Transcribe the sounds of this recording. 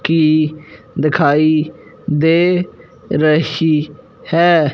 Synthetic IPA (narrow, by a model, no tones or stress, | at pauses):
kiː | d̪ɪkʰaːiː | d̪eː | ɾəhiː | hɛː